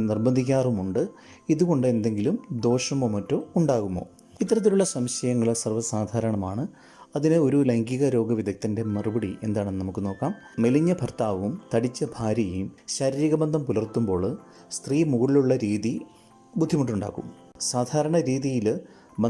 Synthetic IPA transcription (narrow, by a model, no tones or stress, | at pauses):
nirbɐnd̪ʱik̬ʲːaːrumuɳɖɨ | iðuɣo̞ɳɖɨe̞nd̪e̞ŋɡilumd̪o̞ːʂɐmomɐtːouɳɖaːɣumːo̞̰ː | it̪ːɐɾɐt̪̬ːiluɭːɐsɐmɕɐjɐŋːɐɭsɐrʋɐsaːd̪ʱaːɾɐɳɐmaːɳɨ | ɐðinɨo̞ɾulɐŋɡiɣɐɾo̞ːɡɐʋid̪ʱɐk̚t̪ːinde̞mɐrubɐɽiʔe̞̰nd̪aːɳenːnɐmukːɨno̞ːkːaːm | me̞liɲːɐbʱɐrt̪aːʋumt̪ɐɽit͡ɕːɐbʱaːɾjɐjumɕaːɾiːɾiɣɐbɐnd̪ʱɐmpulɐrt̪ːumbo̞ːɭ | st̪riːmuɣɐɭiluɭːɐɾiːði | bud̪ʱːimɐʈ̬ːuɳɖa̰ːkːṵm | saːd̪ʱaːɾɐɳɐɾiːðijil | bɐ